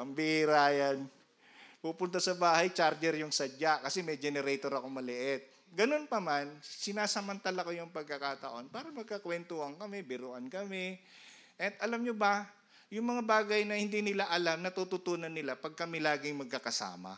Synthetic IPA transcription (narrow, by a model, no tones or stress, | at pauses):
pɐmbɪʔɾaːjan | puːpʊnt̪asɐbaːhɐjt͡ʃaɾd͡ʒɛɾjʊŋsɐd͡ʒakɐsɛmɛjd͡ʒɛnɛɾɛjt̪oɾɐko̞mɐlɪʔɛt̪̚ | ɡɐno̞npɐmansɪnaːsɐmɐnt̪alɐko̞jʊŋpɐɡ̚kɐkat̪ɐ̰ʔo̞npaːɾɐmɐɡ̚kɐkwɛnt̪ohɐŋkɐmɛbɪɾoʔɐnkɐmɛ | ʔɐt̪ʔɐlamɲobɐ | jʊŋmɐŋabaːɡɐjnɐhɪnd̪iːnɪlaʔɐlamnɐt̪ut̪ʊt̪uːnɐnːɪlapɐɡ̚kɐmɪlaːɡɪŋmɐɡ̚kɐkɐsa̰ːmɐ̰